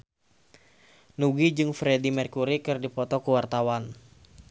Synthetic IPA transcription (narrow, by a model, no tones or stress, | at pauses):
nuɡid͡ʒɨŋfɾedimɛrkuɾikɨrdipɔt̪ɔkuwart̪awan